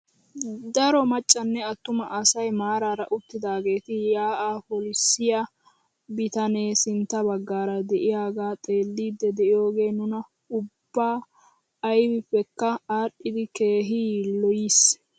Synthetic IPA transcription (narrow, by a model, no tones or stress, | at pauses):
d̪ɐɾɔmɐt͡ʃʼːɐnːɛɐt̪ːʊmɐʔɐsɐjmaːɾaːɾɐʔʊt̪ːɪd̪aːɡe̞ːt̪ɪjaːʔaːpɔlɪsːɪja | bɪt̪ɐneːsɪnt̪ːɐbɐɡːaːɾɐd̪ɛʔɪjaːɡaːt̪ʼe̞ːlːiːd̪ːɛd̪ɛʔɪjo̞ːɡe̞ːnʊnɐ | ʊbːaː | jbɪpːɛkːɐaːɗːɪd̪ɪkeːɦiːlɔjis